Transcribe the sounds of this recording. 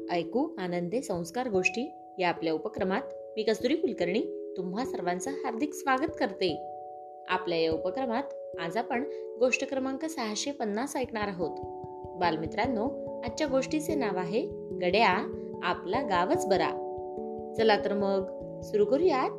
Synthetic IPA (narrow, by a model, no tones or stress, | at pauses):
əjkuanənd̪esə̃w̃skaɾɡoʂʈiː | jaːpljaupəkɾəmat̪̚ | miːkəst̪uɾiːkulkəɾɳiːt̪um̤ʋasəɾʋãnt͡səɦaɾd̪ʱiksʋaɡət̪kəɾt̪e | a̰pljajaupəkɾəmat̪ | ad͡zapəɳ | ɡoʂʈəkɾəmaŋkəsəɦaɕepənːasajkɳaɾaɦot̪ | balmit̪ɾanːɔ | at͡ɕjaɡoʂʈit͡senaʋaɦe | ɡəɽja | a̰plaɡaʋət͡sbəɾa̰ | t͡səlat̪əɾməɡ | suɾuɡəɾujat̪